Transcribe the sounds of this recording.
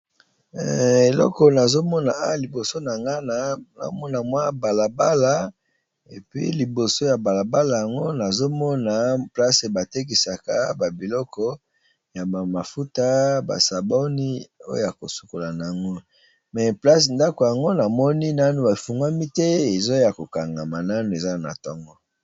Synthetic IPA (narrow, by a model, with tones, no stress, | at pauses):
e˨lɔ̰˦kɔ˨na˨zo˦mɔ˦na˨a˦˨li˨bo˨so˦na˨ŋɡa˦na˦na̰˨˦mɔ˦na˨mwa˦ba˨la˨ba˦la˦ | e˨pɥḭ˦li˨bo˨so˦ja˨ba˨la˨ba˦la˨ja˨ŋɡo˦na˨zo˦mɔ˦na˨pla˦se˨ba˨te˦k̬i˨sa˨ka˦ba˨bi˨lɔ˦kɔ˦ | ja˨ba˨ma˨fu˦ta˦ba̰˨sa˨bɔ˦ni˦o˦jo̰˦˨ja˨ko˨su̥˨ko˨la˨na˨a˨ŋɡo˦ | mɛ˨pla˦s̬e˨nda˦ko˨ja˨ŋɡo˦na˨mɔ˦ni˦na˦nu˨ba˨fu˨ŋɡa˦mi˦tɛ˦e˨zo˦ja˨ko˨ka˨ŋɡa˨ma˨na˦nu˨e˨za˦na̰˨tɔ˦ŋɡɔ˦